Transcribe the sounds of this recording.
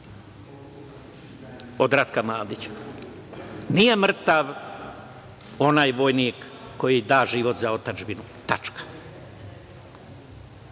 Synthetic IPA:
od̪ɾat̪kamlaːd̪it͡ɕ | nije̞mr̩t̪aʋ | o̞najʋo̞jnikː | o̞jid̪aːʒiʋo̞t̪zao̞t̪ad͡ʒbinu | t̪at͡ʃkḁ

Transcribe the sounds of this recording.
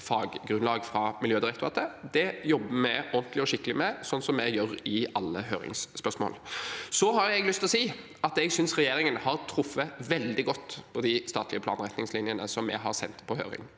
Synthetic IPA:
fɑːɡɡɾʉnlɑːɡfɾɑmɪljøːd̪ɪɾɛkt̪ʊɑt̪əd̪ɛjɔbːəmɛɔnt̪lɪɔʃɪkːəlɪmɛsɔnːsɔmːɛjœɾɪʔɑlːəɦø̰ːɾɪ̰ŋsːpœʁʂmo̰ːlsɔɦɑɾɛɡlʏst̪lɔsiː | ɑt̪ɛɡsʏnsʁɛjeːɾɪŋənhɑɾt̪ʰɾʊfːəʋɛld̪ɪɡɔt̪ːpʰɔd̪ɪst̪ɑːt̪lɪəpʰlɑ̰ːnɾɛt̪nɪŋslɪnjənəsɔmːɛ̰ɦɑɾsɛnt̪pʰɔhø̰ːɾɪ̰ŋ

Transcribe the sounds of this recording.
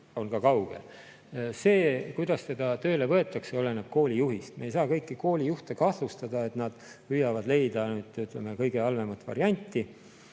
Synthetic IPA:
onkɑkɑwɡ̥ḛl | se̞ːkujd̪̥ɑst̪e̞d̪ɑt̪ø̞ːle̞vɤe̞t̪ːˑɑkseole̞nɑb̥̚ko̞ːlʲijuɦist̪meejs̬ɑːkɤjkːiko̞ːlʲijuht̪e̞kɑh̪lust̪ɑd̪̥ɑe̞t̪nɑd̪̥pyjɑvɑd̪le̞jd̪ɑnyːd̪̥yt̪ˑleme̞kɤjɡe̞ɑlve̞mɑt̪ːˑvɑ̰ɾiɑnʲt̪ːˑi

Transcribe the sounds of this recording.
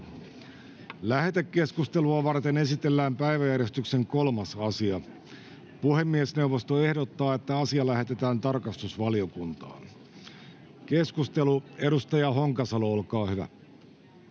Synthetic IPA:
læhet̪ekːe̞skust̪eluɑʋɑrt̪enesit̪e̞lːæːmpæiʋæjærje̞st̪ykse̞ŋko̞lmɑsɑsiɑ | puhe̞mːiesne̞wʋost̪oe̞hdot̪ːɑːe̞t̪ːæɑsiɑlæhe̞t̪et̪æːnt̪ɑrkɑst̪usʋɑlio̞kunt̪ɑ̰ːn | ke̞skust̪elue̞ɾust̪ɑjɑɦoŋkɑsɑloolkɑːhyʋæ̰

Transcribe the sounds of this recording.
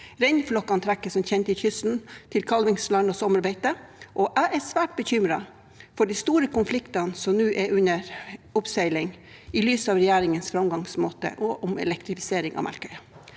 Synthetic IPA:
ɾɛɪnflɔkːɑnt̪ʰɾækːəsɔmçɛnt̪əɪçʏsn̩t̪ʰɪlkʰɑlʋɪŋslɑnɔsɔməɾbæɪt̪əʔɔʔæɪʔæsʋæːʈ̚bəçʏmɾɑ | fɔɖɪst̪uːɾəkʊnflɪkt̪ɑnsɔmnʉːʔɛʔʉnəɾʊpsœɪlɪŋ | ɪlyːsɑːʋɾɛjæːɾɪŋənsfɾɑmɡɑŋsmoːt̪ə̰ʔɔʔʊmɛ̰lɛkt̪ɾɪfɪ̥seːɾɪŋɑ̰ːmæ̰lkœʏ

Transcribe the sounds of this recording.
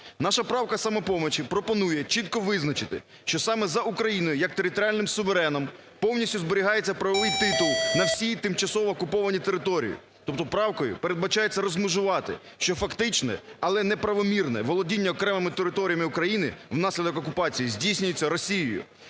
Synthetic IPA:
nɑʃɐpɾɑwkɐsɐmɛpɔmɔt͡ʃɪpɾɔpɔnujɛt͡ʃit̪̚kɔʋɪznɐt͡ʃɪt̪ɪ̰ | ʃt͡ʃɔsɑmɛzɐʔukɾɐjinɔjʊjɐk̚t̪eɾʲɪt̪ɔɾʲɪalʲnɪmsʊʋeɾɛnɔm | pɔwnʲisʲtʲʊzbɔɾʲiɦɑjet͡sʲːɐpɾɐʋɐʋɪjt̪ɪt̪ʊlˠnɐwsʲijt̪ɪmt͡ʃɐsɔʋɔːkʊpɔʋɐnʲit̪eɾɪt̪ɔɾʲḭjḭ | t̪ɔp̚t̪ɔpɾɑwkɔjʊ̰peɾed̪bɐt͡ʃɑjet͡sʲːɐɾɔzmʊʒʊʋɑt̪ɪ̰ | ʃt͡ʃɔfɐkt̪ɪt͡ʃnɛ̰ɐlˠɛnɛpɾɐʋɔmʲirnɛ̰ʋɔlˠɔdʲinʲːɐɔkɾɛmɪmɪt̪eɾɪt̪ɔɾʲijɐmɪʊkɾɐjinɪwnɑsʲlʲid̪ɔkɔkʊpɑt͡sʲijizʲdʲijsʲnʲʊjet͡sʲːɐɾɔsʲijijʊ̰

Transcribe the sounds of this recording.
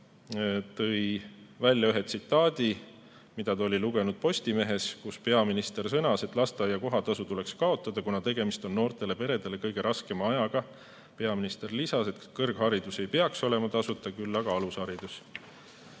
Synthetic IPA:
t̪ɤjvælʲːjɑyɦet̪sit̪ːˑɑːd̪̥ʲi | mid̪̥ɑt̪ɑo̞lʲiluɡ̥e̞nud̪̥̚po̞st̪ime̞ɦe̞skuspe̞ɑminist̪e̞rsɤnɑse̞t̪ːˑlɑst̪eɑjːɑko̞ɦɑt̪ɑsut̪ule̞kskɑo̞t̪ːˑɑd̪̥ɑkunɑt̪e̞ɡ̥e̞mist̪o̞nːo̞ːrt̪e̞le̞pe̞ɾe̞d̪e̞le̞kɤjɡ̥e̞ɾʔɑske̞mɑɑjɑɡ̥ɑ | pe̞ɑminist̪e̞rlisɑse̞t̪kɤrɡ̥hɑɾid̪̥use̞jpe̞ɑkso̞le̞mɑt̪ɑsut̪ːˑɑkylːɑɡ̥ɑɑlushɑɾid̪̥us

